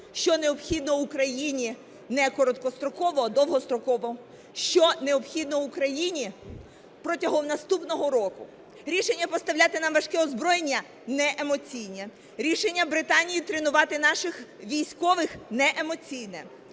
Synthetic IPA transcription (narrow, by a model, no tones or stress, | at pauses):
ʃt͡ʃɔne̞ɔpxʲid̪nɔʊkɾɐjinʲi | nɛkɔɾɔt̪̚kɔst̪ɾɔkɔʋɔd̪ɔwɦɔst̪ɾɔkɔʋɔ | ʃt͡ʃɔne̞ɔpxʲid̪nɔwʊkɾɐjinʲi | pɾɔtʲɐɦɔmnɐst̪upnɔɦɔɾɔkʊ | ɾʲiʃe̞nʲːɐpɔst̪ɐʋwlʲat̪ɪnɐmʋɐʃkɪɔzbɾɔjenʲːɐ | nɛʔemɔt͡sʲijnʲɛ | ɾʲiʃenʲːɐbɾɪt̪ɑnʲijit̪ɾenʊʋɑt̪ɪnɑʃɪxʋʲijsʲkɔʋɪxnɛʔemɔt͡sʲijnɛ